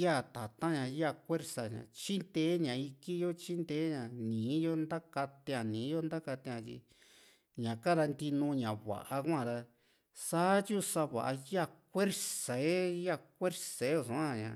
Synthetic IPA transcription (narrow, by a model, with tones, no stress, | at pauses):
ja˦˨t̪a˨t̪ã˦ɲã˧ja˦˧˨kʷe˦ɾsa˨ɲã̰˨t͡ʃi˦nd̪eː˦ɲã˨i˧ki˦jo˦t͡ʃi˦nd̪eː˦ɲã˨nĩː˨˦jo˦nd̪a˦ka˧t̪ẽ˧ã˨nĩː˨˦o˦nd̪a˦ka˧t̪ẽ˧ã˧t̪ḭ˧ | ɲã˨ka˦ɾa˧nd̪i˧nũ˧ɲã˨βa̰˨ʔa˧kʷã˦˨ða˧ | sa˦t͡ʃu˦sa˧βa̰˨ʔa˧ja˦˧kʷe˦ɾsa˨e˦ja˦˧˨kʷe˦ɾse˨˦o˦˧˨sũ˨˦ã˧˨ɲã̰˨